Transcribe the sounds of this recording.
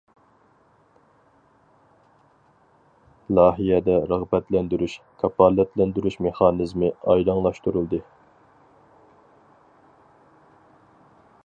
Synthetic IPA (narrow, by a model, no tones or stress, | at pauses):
lˠɑːɦijɛd̪ɛɾɑʁbɛt̪lɛnd̪yɾyʃkʰɑpʰɑlːɛt̪lɛnd̪yɾyʃmeχɑːnɨzmɨɑjlɑŋlˠɑʃt̪uɾulˠd̪ɨ